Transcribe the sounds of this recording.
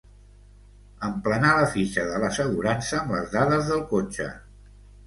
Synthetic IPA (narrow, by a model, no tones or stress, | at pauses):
əmplənaləfiʃəðələsəɣuɾansəːmbləzðaðəzðəlˠkot͡ʃə̰